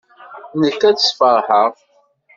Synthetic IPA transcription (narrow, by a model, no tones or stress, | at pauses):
nəkːæt͡səsˤfəɾˤħəʁ